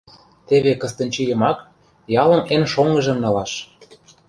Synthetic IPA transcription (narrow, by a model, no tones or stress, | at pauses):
t̪eβekɤ̆st̪ə̆nʲt͡ɕijə̆mɑk | jɑlɤ̆nenʃoŋɤ̆ʒə̆mnɤ̆lɑʃ